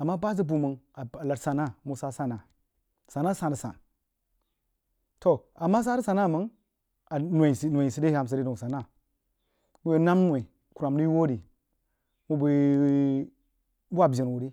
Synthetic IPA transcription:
a˨mːa˦ba˦z̬i˦bu˨mə˨ŋa˨a˨la˨tsa˨na˦mu˨sa˦sa˦˨na˨ | sa˨na˦sa˨n˨ə˨sa̰˨n | to˨ | a˨mːa˦s̬a˦ɾə˦sa˨na˦˨mə˦ | a˨nʷ˨e˨si˨nʷ˨e˨i˨si˨de˦a˨m˨s̬i˨de˦do˨ŋsa˨na˦˨ | mu˦we˦na˦mnwe˨ | ku˨ɾa˨mdi˦wo˦ɾi˨ | mu˦bu˨ | bu˦a˨bʲi˨nwu˨ɾi˦

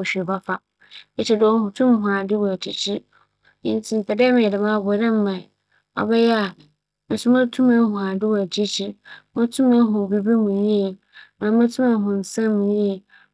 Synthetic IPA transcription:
ɕᶣi˨ba˦fa˨ | e˦t͡ɕʰɪ˨dɪ˦ɔ˦hʊ̃˨tʰʊ̃˦m˦ɦʊ̃˨a˨dɪ˦wɔ˨æ˨d͡ʑi˨t͡ɕʰi˦ | ɪ̃˦˨n˦tʰĩ˦n̩˨tʰa˨dɛː˦mɪ̃˨ɛ˨dɪ˨mã˦˨bʊ˨ɛ˨ɾɛ̃˦m̩˦mã˨i˨ | ɔ̰˨bɛ˦jɛ˦a˨ | mɪ̃˨sʊ˦mã˦tʰũ˦mɛ̃˦hʊ̃˨a˨dɪ˦wɔ˨æ˨d͡ʑi˦t͡ɕʰi˦mã˦tʰũ˦mɛ̃˦ɦʊ̃˨bi˦bi˦mũ˨ɲĩ˦e˨ | mã˨˦mɛ̃˦tʰũ˦mɛ̃˨˦ɦʊ̃˨n̩˨sã˦mːũ˨ɲĩ˦e˨

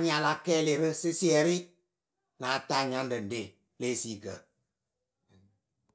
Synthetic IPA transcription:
ɲ˦a˨la˨˦kɛː˦le˨bə˦sɨ˦si˦ɛ˨ɾi˦ | na˨ta˦˨ɲa˦n˦dɨ˨n̩˨de˨ | le˦˨si˦˨ɡə˨

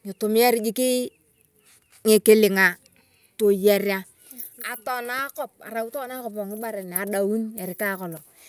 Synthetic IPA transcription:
ŋɪ˨to˨m˦ɛ˦ɾɪ˦d͡ʒi˦kɪ˦ | ŋɪ˨kɪ˦lɪ˨ŋa˨ | to˨ja˨ɾja˦ | a˨tɔ˨na˦kɔ˦˨p̚a̰˨ɾa˨u˦tɔ˦na˦kɔ˨p̬ɔ˨ŋɪ˦ba˦ɾɛ˨n˨a˨ɗa˨wu˦nɛ˨ɾɪ˨ka˦kɔ˨lɔ˨

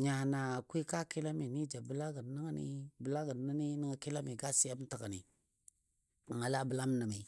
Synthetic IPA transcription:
ɲa˨na˨kwi˦ka˦ki˦la˦mi˨ni˦d͡ʒa˨bə˦la˦ɡə˨n˨˦a˦ŋa˦nḭ˦bə˨la˦ɡə˨na˦ni˦nə˦ŋa˨ki˦la˦mi˨ɡa˦si˦ja˦bta˨ka˨nḭ˨ | ŋa˨la˦bə˨la˦m˦na˨mi˨

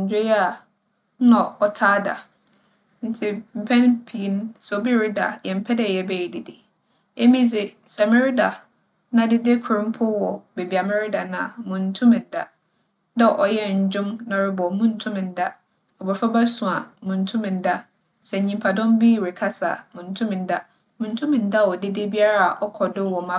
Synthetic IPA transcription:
ɲ̩˨d͡ʑᶣʊ˦jɛ˦a˨˦ | nã˨ɔ˨tʰaː˦da̰˨ | n̩˦tʰɪ˦m̩˨pʰɛ̃˦n˦pʰi˨˦n˦so˨bi˦ɾɪ˦da̰˨jɛ˨m̩˦pʰɛ˦dɛ˨jɛ˨bɛ˦˨ji˨dɪ˨dɪ˨ | ɛ˦mĩ˦s̬ɪ˨sa˨mɛ˦ɾɪ˦da˨ | nã˨dɪ˦de˦kʰʊ˨ɾʊ̃˦m̩˦pʰʊ˦wɔ˨be˨bi˨a˨mɛ˦ɾɪ˦da˨nã˨a˨mʊ̃˨n̩˦tʰũ˦mɪ̃˨n̩˨da˦ | da˦ʔɔ˨jɛ˦˨ɲ̩˨d͡ʑʊ̃˦mnɔ̃˨ɾɪ˦bɔ˨mũ˦n̩˨tʰʊ̃˦mɪ̃˨n̩˦da˦ | ɔ˨bɔ˨fa˦ba˦sũ˨a˨mʊ̃˨n̩˦tʰũ˦mɪ̃˨n̩˦da˦ | sɛ˨ɲĩ˨mpʰa˨dɔ̃˦mbi˦˨ɾɪ˨kʰa˦sa̰˨mʊ̃˨n̩˦tʰũ˦mɪ̃˨n̩˦da˦ | mʊ̃˨n̩˦tʰũ˦mɪ̃˨n̩˦da˦˨wɔ˨dɪ˦dɪ˦bi˦a˦ɾa˦˨a˨ʔɔ˦kʰɔ˨dʊ˦wɔ˨mã˦

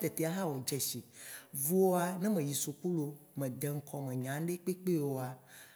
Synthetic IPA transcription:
t̪ɛ˨t̪e˨˦a˨˦ɦa˦wo˨d͡ʒɛ˨ʃi˨vu˦wo˦a˨nɛ̃˦mɛ̃˨ji˨so˨k͡pu˦lo˨mɛ̃˨d̪ɛ˨ŋ̩˨˦kʰɔ˨mɛ̃˨ɲã˨˦ɖe˦k͡pe˦k͡pe˦wo˨a˨

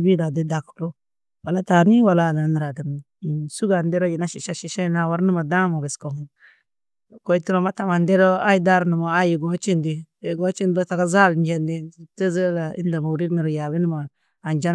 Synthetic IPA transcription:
bi˦da˨di˦da˨kto˦ | wa˨la˦ta˨˦ni˦wa˨la˦˨da˨ni˨ɾa˨di˨m˨ | i˨su˦ɡa˨nde˦ɾo˦ji˨na˦ʃi˨ʃa˦ʃi˨ʃa˦na˨wa˦ɾni˦ma˨da˦mo˨be˨sko˨ŋ˦ | ko˨jti˦ɾo˦˨ma˦ta˨ma˨nde˦ɾo˦a˦ji˦da˦ɾni˨mo˨a˦ji˨ɡo˨˦t͡ʃi˦ndi˨e˨ɡo˦t͡ʃi˦ndɾo˦ta˨ɡa˦za˦˨lnd͡ʒe˨ndi˦˨te˦zə˦la˨ḭ˦nda˨ma˨u˨ɾi˦ɾni˨ɾja˨bi˦ni˦maː˨ | nd͡ʒa˦n

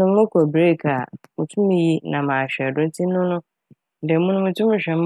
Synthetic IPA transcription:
ʊ̃˦m˦mʊ̃˦kʰæ˨bɾe˦˨kʰa˨mũ˨tʰũ˦mĩ˨ji˦nã˨mãː˨ɕᶣɛ˨dʊ̃˦n̩˦tʰi˦ʊ̃˦nʊ̃˦˨ | dɛ˨˦mũ˦nʊ̃˦mũ˦tʰũ˦mɪ̃˨˦ɕᶣɛ˨m˦

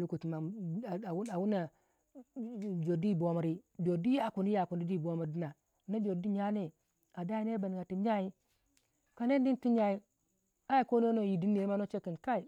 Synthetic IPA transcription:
lu˦ku˨ti˨ma˨ | wu˦a˨wu˦na˨ | d͡ʒo˨di˦˨bo˨ma˨ɾi˦bo˨di˦ja˦˨ku˨ni˦ja˨ku˨ni˦di˦˨bo˦mu˨ɾdi˦na˨ | na˦bo˨di˦ɲa˦ne˦ | a˨da˦i˦ne˦ba˨n˨ɡa˨ti˨ɲa˦˨i˦ | ka˨ne˦n˦di˦n˦ti˦ɲa˦ji˦ | a˦ji˨ko˦no˦no˦˨ji˨di˦n˦e˨i˦ma˦no˦t͡ʃe˦ki˨nka˦i˨

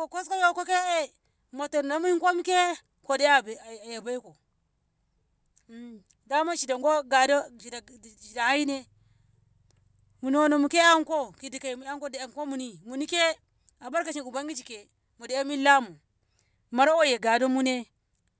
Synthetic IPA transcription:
o˨ko˦sko˦jo˦˨ko˦ke˦e˦ | mo˨to˨n˨na˦mu˦i˦ŋko˦mu˦ke˦ | ko˨de˦a˨ba˨ja˨ba˦i˦ko˨ | da˦ma˦ʃi˨da˨ŋɡo˦ɡa˨do˦ʃi˨da˨ʃi˨da˨a˦i˦ne˦ | mu˨ni˦wo˦no˨mu˨ke˦a˦ko˦ki˨di˨ka˨i˨mu˨a˦ŋ˦ko˦da˨a˨ŋko˦mu˨ni˨mu˨ni˦ke˦ | a˨ba˦ɾka˨t͡ʃi˨ɡu˨ba˦ŋɡi˦t͡ʃi˨ke˨ | mu˨de˨a˦mi˦la˦mu˨ | ma˨ɾa˦wo˦je˨ɡa˨do˦mu˦ne˦

